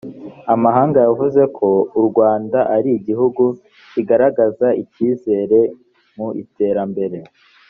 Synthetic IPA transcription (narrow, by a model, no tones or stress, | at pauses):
amaɦaːŋɡajavuze̞kʰo̞uɾɡwaːndaʔaɾiːɟiɦuɡu | ciɡaɾaɡazaiciːze̞ːɾe̞ | muḭte̞ːɾambe̞ɾe̞